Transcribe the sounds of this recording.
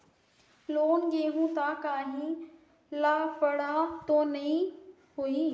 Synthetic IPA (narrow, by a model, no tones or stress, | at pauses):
loːnɡeːɦũt̪akaːɦĩ | laːfəɽat̪onɐĩ | ɦui